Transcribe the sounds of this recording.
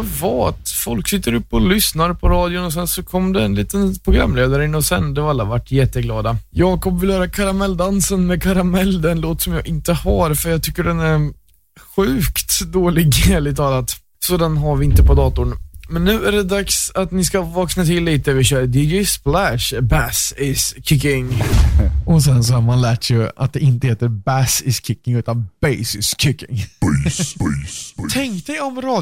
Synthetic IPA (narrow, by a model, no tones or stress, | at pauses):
vɑat̪fɔlksɪt̪ːəɾɵpːɔlʏsnaɾpʰɔɾɑːd̪jʊnɔs̬ɛnsɔkʰɔmːd̪ɛːnliːt̪ənpʰɾʊɡɾa̰mːleːd̪aɾəɪnːɔsɛnd̪ɛvaɾalːavaʈːjɛt̪ːəɡlɑːd̪ajɑːkʰɔbvɪlhœːɾakʰaɾamɛlːd̪ansənmɛkʰaɾamɛld̪ɛnloːt̪sɔmjɑ̰ːɡʔɪnt̪əhaɾfœɾjɑɡt̪ʰʏkːəɖɛnæɾ | ɧʉ̟ːkt̪d̪oːlɪɡeːlɪt̪ʰɑːlat̪ | sɔd̪ɛnɦaɾvɪɪnt̪əpɔd̪ɑːt̪ʊɳmɛnːʉ̟ːæɖɛd̪aksat̪nɪskavɑːknat̪ʰɪlːiːt̪əæɾvɪɕœːɾd̪ɪjɛsplæʂbæsɪskʰɪkːɪŋ | ɔs̬ɛns̬ɔhamanlæːʈsɛa̰t̪̚d̪ɛɪnt̪əheːt̪əɾbæsɪskʰɪkːɪŋʉ̟ːt̪anbɛjsɪskʰɪkːɪ̰ŋ | ɛŋkt̪ɛjɔmɾɑː